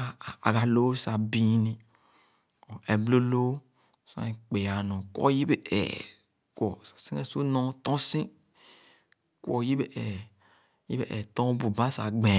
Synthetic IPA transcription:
a˨ɡa˨lo˦sa˨bĩ˦nĩ˨ | o˨e˨blo˦lo˦ | sa̰˦ĩ˨˦k͡pe˨ja˨nɔ̃˨kwɔ̰˦ji˦be˦ɛ̰˨ | kwɔ˨sḁ˨si˦ɛ˦su˦nɔ̃˦t̪ɔ̃˦sĩ˦ | kwɔ˨ji˦be˦ɛ˨ | jḭ˦be˦ʔɛ˨t̪ɔ̃˦bu˨bã˦sa̰˨ɡ͡bẽ˨

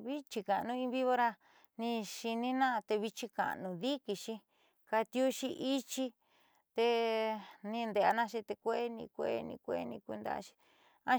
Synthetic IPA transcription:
βi˦t͡ʃi˧ka˨˧nũ˦ĩ˧βi˦βo˧ɾa˧ | nĩ˧ʃi˧nĩ˦nã˦˧t̪e˧βi˧t͡ʃi˧ka̰˨nũ˧ði˦ki˧ʃi˧ | ka˧t̪ju˦ʃi˧ʔi˦t͡ʃi˦˧ | t̪e˧ | nĩ˧nd̪e˧a˧nã˦˧ʃi˧t̪e˧kʷe˦nḭ̃˧kʷe˧e˧nḭ̃˧kʷe˧˦˧nḭ̃˧ku˧nd̪a̰˧ʃi̥˧ | ã˦

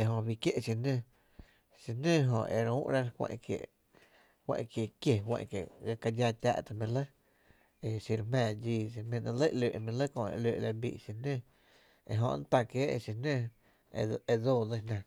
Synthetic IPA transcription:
e˧˨ɦõ˧bi˧kje˦ʔʃi˧nə̃˧˨ | ʃi˧nə̃˦ɦõ˧ʔe˧˨ɾũː˦ʔɾa˦ɾkʷḛ̃˧ʔkjḛ˨ | hwḛ̃˧ʔkje˨kje˧hwḛ̃˧ʔkje˨ɣa˧ka˧d͡ʒa˧t̪ʲa̰ː˧ʔt̪a˧˨mĩ˧lə˦ | e˧ʃi˧ɾmɛ̃ː˧˨d͡ʒiː˧ʃ̬i˧mẽ˧nã˧lə˦ʔleː˨ʔmĩ˧lə˦kõ˧ʔḛ˧˨leː˧˨ʔla˧bḭː˧˨ʔʃi˧nə̃˦ | ḛ˧˨ɦõ˧n˦t̪a˧˨kjeː˨˦ʔe˧ʃi˧nə̃˦˧ | e˧d͡zoː˦˧˨də˧hnã˧

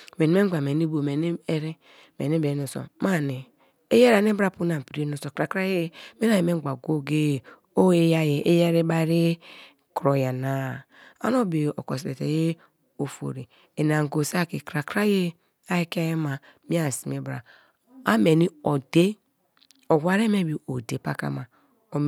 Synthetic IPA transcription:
me˨ni˨me˦ɡ͡ba˨me˨ni˦bo˨me˨n˦e˦ɾe˦ | mḛ˨ne˦be˨˦no˨so̰˨ma˦˨ne˨ | e˦je˦ɾa˨ne˦bɾa˦˨pu˦na˨pi˨ɾe˦no˨so˨kɾa˨kɾa˦je˦me˦na˨e˨me˦ɡ͡ba˨ɡo˦ɡe˦˨ | o˦e˦ja˦je˨ʔe˦je˦ɾe˦ba˦ɾe˦ | kɾo˨ja˨na˦ | a̰˦no˦be˨o̰˨ko˨s̬e˨tḛ˨je˦ | o˨fo̰˨ɾi˨ | e˨n˨a˨ŋ˨ɡo˨sa˦ke˨kɾa˨kɾa˦je˦ | a˦i˦ka˦je˦ma˨ | mi˦a˨si˨me˨bɾa̰˨ | a˦me˨ni˦o˨de˦ | o˨wa˨ɾe˦me˦bi˨o˨de˨pa̰˦ka̰˦ma˨ | o˨

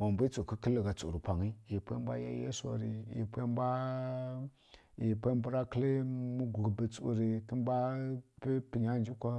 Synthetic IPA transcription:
ma˨mbu˦t͡su˨kə˦kə˦lə˨ɡa˨t͡sṵ˨ɾi˨pa˨ŋi˦ji˨pe˦ba̰˦ja̰˦jḛ˦sa̰˨ɾi˨jḭ˨pʷa˦mba˦ | ji˨pe˦mbu˦ɾa˦kə˦lə˦mu˦ɡu˨ɡbə˨t͡sṵ˨ɾi˨tə˦mba˦pi˦pi˨ɲa˦nd͡ʒi˦kʷa˦

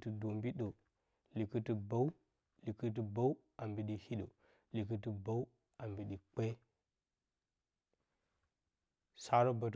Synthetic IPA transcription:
ti˦do˨mbi˦ɗo˨ | li˨ki˦ti˦ba˦u˦ | li˨ki˦t̬i˦ba˦u˦ | a˨mbi˨ɗi˨hi˦ɗo˨ | li˨k̬i˦ti˦ba˦u˦ | a˨mbi˨ɗi˨k͡pe˦ | sa˦ɾo˦ba˨t

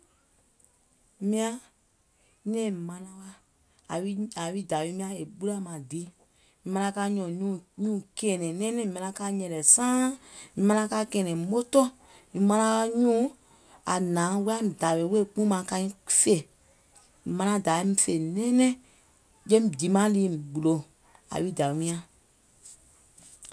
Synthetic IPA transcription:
mĩ˧ã˧˦ | nɛ̃˦˨mã˧nã˧wa˧ | a˨wi˦a˨wi˦da˨we˧˦mĩ˦ã˧e˨ɓu˦la˦mã˨di˨˦ | i˨˦mã˧nã˧ka˧˦ɲɔ̃˨ɲũː˦˨ɲũː˦˨kɛː˨nɛ̃˨nɛ̃ː˦nɛ̃˦ĩ˨mã˧nã˧ka˧˦ɲɛ̃˨lɛ˨sãː˦ĩ˧˨mã˧nã˧kaː˧˦kɛː˨nɛ̃˨˦o˦tɔ̃˦ | ĩ˨˧mã˧nã˧ka˧˦ɲũː˦ | a˨nãː˨˦wu˦ã˦˨da˨we˨˦we˦˨k͡pũ˦mã˧kã˧ĩ˦fe˦˨ | mã˧nã˧˦da˨˦ĩ˧˦fe˨nɛ̃ː˦nɛ̃˦ | jẽ˦˨di˨˦mã˦liː˨˦˨ɡ͡bu˨lo˨ | a̰˨wi˦da˨mĩ˧˦ã˦

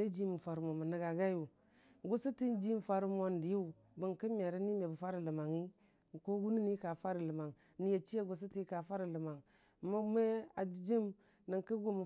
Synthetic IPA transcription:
e˦d͡ʒi˦mi˨fa˨ɾu˨mo˨mə˨ni˨ɡa˨ɡa˦ju˨ | ɡu˦si˦ti˦n˦d͡ʒi˦m˨fa˦ɾu˦mo˦n˨di˨ju˦˨ | bə˨ŋki˦me˨ɾi˦ni˦me˨bu˨fa˦ɾi˨lə˨ma˨ŋi˦˨ | ko˦ɡu˦ni˦ni˦ka˨fa˦ɾi˨lə˨ma˨ŋ | ni˨je˨t͡ʃi˦je˦ɡu˨s̬i˦ti˦ka˨fa˦ɾi˨lə˨ma˨ŋ˨ | ma˦me˦a˨d͡ʒd͡ʒi˦m | ni˨ŋki˦ɡu˦mu˨

